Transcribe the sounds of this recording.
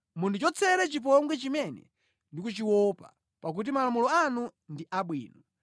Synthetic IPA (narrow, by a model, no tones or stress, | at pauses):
mundut͡ʃɔt͡sʰɛɾɛt͡ʃip̬ɔŋɡwɛt͡ʃimɛnɛ̰ | ndikut͡ʃiwɔpa̰ | pak̬ut̬imalamulɔanundiʔaɓwḭːnɔ